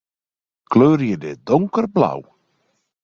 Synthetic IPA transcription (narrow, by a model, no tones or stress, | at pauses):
kløːrjədɪdɔŋkərbla̰w